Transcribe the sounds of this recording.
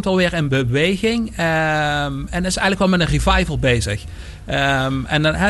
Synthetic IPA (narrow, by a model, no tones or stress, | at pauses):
tɑlˠʋɪːɹɪnbəʋejɣɪŋ | ɛnɪsɛjɣnləkʋɛlˠmɛdənrivɑjvəlˠbejzə̰x | ɛnnɦɛ